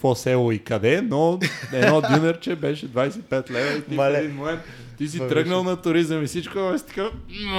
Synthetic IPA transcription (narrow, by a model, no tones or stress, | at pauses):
kvɔsɛlˠʊikɐd̪ɛnɔɛɔd̪junɛɾt͡ʃɛbɛʃɛd̪vajsɛipɛt̪lɛvəit̪iɛd̪inmomɛnt̪ | t̪is̬it̪ɾɤɡnəlˠnɐt̪ʊɾizəmisit͡ʃkʊɛɛst̪i̥ka